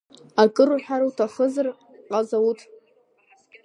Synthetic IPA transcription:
akʼɨruħᶣaɾawtʰaχəzar | qʼazawutʼ

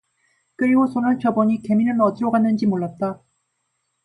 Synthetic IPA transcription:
kɯɾiɡosʰonɯɭt͡ɕʌbʌɲike̞minɯnʌdɯɾoɡanːɯnd͡ʑimoɭːat̚t͈a

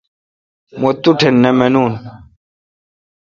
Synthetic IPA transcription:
mot̪uʈʰenːemenuːn

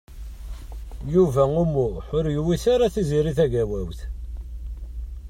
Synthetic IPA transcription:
juvæumuħʊɾjwiθaɾaθiziɾiθæʝæwæwθ

